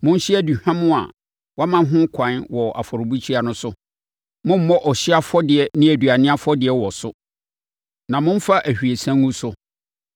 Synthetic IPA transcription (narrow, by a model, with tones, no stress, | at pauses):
mʊ̃˦n˦ɕi˦æ˦du˨hã˦mʊ̃˦a̰˨ | wa˦mã˦ɦʊ̃˦kʰã˨˦nwɔ˨a˨fɔ˨ɾʊ˨bu˦t͡ɕʰi˦a˨nʊ̃˦sʊ˦ | mʊ̃˦m̩˦mɔ̃˦ʔɔ˨ɕɪ˦a˦fɔ˦dɪ˨ɛ˦nɪ̃˦æ˨dɥa˨nɪ̃˦a˦fɔ˦dɪ˨ɛ˦wɔ˨sʊ˦ | nã˨mʊ̃˦n˦fa˦ʔæ˨hᶣi˨e˨sã˦ŋũ˦sʊ˦